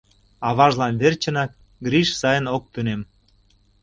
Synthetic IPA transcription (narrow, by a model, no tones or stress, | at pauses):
ɑβɑʒlɑnβert͡ɕənɑk̚ | ɡɾiʃsɑjənok̚t̪ynem